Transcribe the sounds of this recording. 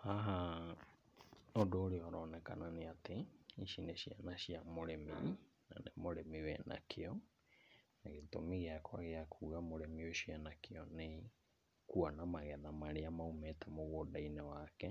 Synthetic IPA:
aɦa | odoːɾeɔɾɔːnɛkananeateiʃineɕjanaʃiamoɾemḭ | na̰nemoɾemiwɛnʔa̰kʰeɔ | naɣetomiɣeakʰwaɣeakʰuːɣamoɾemioʃianakʰeɔne | kuanamaɣɛðamaɾeamaumɛtɛmoɣodainewakɛ

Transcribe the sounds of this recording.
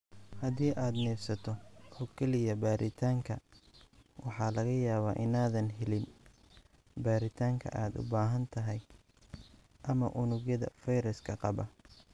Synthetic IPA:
hɐðiːʔaːd̪nɛːfsɐt̪ʰɔɔːkʰɛlɪjɐbaːɾʔɪt̪ʰaːŋkʰɐ | wʔɑħɑːlɐɣɐjaːβaːʔɪnaːðɐnɦɛlɪn | baːɾɪt̪ʰaːŋkʰɐ̰ʔaːd̪ʊ̰baːɦɐnt̪ʰɐɦɛj | ʔɐmɐʔʊnʊɣjɐðɐ̰fɛjɾɐskʰɐqɑβɐ̰

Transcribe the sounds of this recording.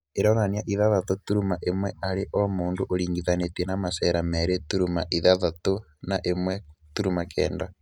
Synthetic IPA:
eɾoɾanjaʔiðaðatotuɾumaʔemwɛaɾeʔomoːndoʔoɾiːŋɡiðanetweɛnamasɛɾamɛɾetuɾumaʔiðaðato | naʔemwɛtuɾumakʰɛ̰ːnda

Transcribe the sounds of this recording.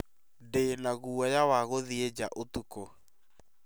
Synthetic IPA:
denaɣuɔjawaɣoðied͡ʑaʔotuko

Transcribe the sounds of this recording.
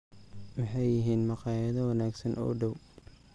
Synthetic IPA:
mɪħɑjːɪɦiːnmɑqɑːjɐðɐwɑnaːɡsɐnʔɔ̰ːɖɐw

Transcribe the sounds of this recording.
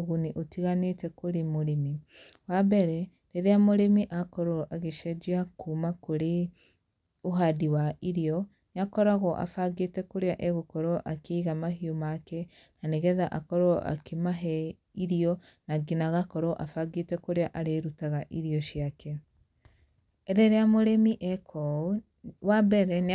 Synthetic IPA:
ɣuniʔotiɣanetɛkoɾemoɾemiwabɛɾɛ | ɾeɾeamoɾemiʔakɔɾoɔʔaɣeʃɛd͡ʒiakuːmakoɾe | oɦadiwaiɾijɔ | nakɔɾaɣɔʔa̰faɡetɛkoɾeaʔɛɣokɔɾɔʔakeiɣamaɦiomakɛnaneɣɛðaʔakɔɾoɔʔa̰kemaɦɛ | iɾiɔnaɡinaɣakɔɾɔʔafaɡetɛkoɾeaʔaɾeɾutaɣaʔiɾiɔʃiakɛ | ɾeɾeamoɾemiʔɛkʰɔ | wabɛɾɛne

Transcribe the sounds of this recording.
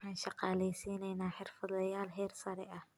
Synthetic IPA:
wħɑːnʃɑqɑːlɛjsiːnɛjnaːħɪrfɐd̪lɐjaːlɦɛːrsɐɾɛʔɐh

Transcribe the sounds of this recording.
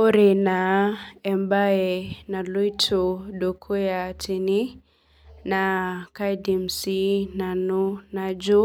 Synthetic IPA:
ɔɾinaɛmbaɛnaluitʰuɗukʰujatini | nakajdim̩sinanunad͡ʒu

